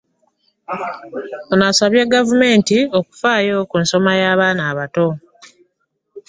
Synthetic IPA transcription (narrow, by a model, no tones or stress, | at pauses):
onasaβjeɡavume̞ːntio̞ku̥faːjo̞kunso̞majaːβaːnaːβato̞